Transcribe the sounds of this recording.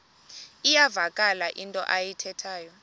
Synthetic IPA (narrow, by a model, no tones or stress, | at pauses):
ijavakʼalaʔintʼɔ̰ʔajitʰɛtʰaːjɔ